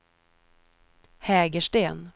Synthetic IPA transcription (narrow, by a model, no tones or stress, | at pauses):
hɛːɡəʂʈeːn